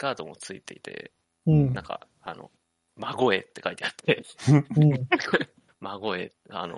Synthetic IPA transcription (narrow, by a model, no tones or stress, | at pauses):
ɡaːd̪o̞mo̞t͡sɨit̪e̞it̪ẽ̞̰ | nãŋka̰ | ano̞̰ | maɡo̞e̞t̪ːe̞kait̪eat̪ʰːẽ̞ | maɡo̞e | a̰no̞̰